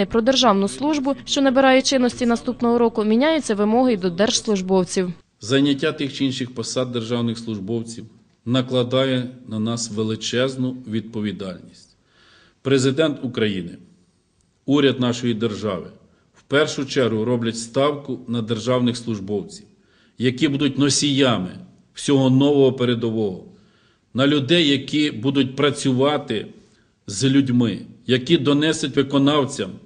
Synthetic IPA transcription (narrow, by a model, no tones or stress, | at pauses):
ɪpɾɔd̪erʒɑwnʊslˠuʒbʊʃt͡ʃɔnɛbeɾɑjɛt͡ʃɪnːɔsʲtʲinɐst̪upnɔɦɔɾɔkʊmʲinʲajʊt͡sʲːɐʋɪmɔɦɪd̪ɔd̪ɛrʒ̥slˠʊʒbɔwt͡sʲiw | zɐjnʲːɐtʲːat̪ɪxt͡ʃiinʃɪxpɐsɑd̪̚ːerʒɑwnɪxslˠʊʒbɔwt͡sʲiw | nɐklˠɐd̪ɑjɛnɐnɑsʋelˠɪt͡ʃɛznʊʋʲid̪̚pɔʋʲid̪ɑlʲnʲisʲtʲ | pɾezɪd̪ɛnt̪ʊkɾɐjinɪ | uɾʲɐd̪nɑʃɔjid̪erʒɑ̰ʋɪ | wpɛrʃʊt͡ʃɛɾɦʊɾɔblʲɐtʲst̪ɑwkʊnɐd̪erʒɑwnɪxslˠʊʒbɔwt͡sʲiw | jɐkibud̪ʊt̚ʲnɔsʲijɑmɪ̰ | w̥sʲɔɦɔnɔʋɔɦɔpeɾed̪ɔʋɔɦɔ | nɐlʲʊd̪ɛjːɐkʲibud̪ʊt̚ʲpɾɐt͡sʲʊʋɑt̪ɪ | zlʲʊdʲmɪ̰jɐkid̪ɔnɛsɪtʲʋɪkɔnɑwt͡sʲɐm